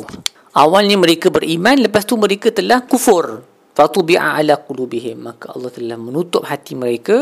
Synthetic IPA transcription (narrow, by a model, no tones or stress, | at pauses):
ʔawalɲamə̃ɾekabəɾʔimãnləpast̪umə̃ɾekat̪əlahkufʊr | fat̪ubiʕa̰ʔa̰laqulubiɦɪmːakaʔɑ̰lːɑht̪əlahmə̃nut̪ʊp̚hat̪iməɾeka